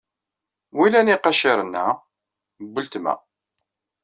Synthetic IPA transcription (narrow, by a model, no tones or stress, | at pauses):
wilæniqɑʃɪɾˤənːæ | bːəlt̪mæ̰